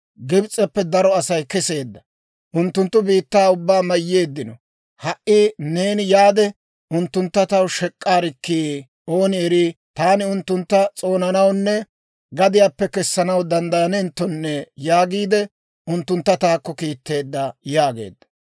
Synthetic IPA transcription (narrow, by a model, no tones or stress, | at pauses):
ɡɪbt͡sʼɛpːɛd̪ɐɾɔɐsɐjkɛse̞ːd̪ːɐ | ʔʊnt̪ːʊnt̪ːʊbiːt̪ːaːʊbːaːmɐjːe̞ːd̪ːɪnɔ | hɐʔiːne̞ːnɪjaːd̪ɛ | ʔʊnt̪ːʊnt̪ːɐt̪ɐwʃɛkʼːaːɾɪkːiː | o̞ːnɪɛɾit̪aːnɪʊnt̪ːʊnt̪ːɐt͡sʼo̞ːnɐnɐwnːɛ | ɡɐd̪ɪjaːpːɛkɛsːɐnɐwd̪ɐnd̪ɐjɐnɛnt̪ːɔnːɛjaːɡiːd̪ɛ | ʊnt̪ːʊnt̪ːɐt̪aːkːɔkiːt̪ːe̞ːd̪ːɐjaːɡe̞̰ːd̪ːɐ̥